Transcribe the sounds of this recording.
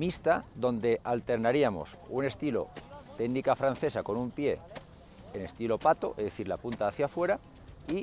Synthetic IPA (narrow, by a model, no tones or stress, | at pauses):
mist̪aðo̞nd̪e̞ʔalt̪e̞ɾnaɾiamo̞̰sune̞st̪ilo̞̰t̪eɣnikafɾan̟θe̞sako̞numpje̞ː | ne̞st̪ilo̞pat̪o̞ʔezðe̞θiɾlapunt̪aːθjafwe̞ɾa | i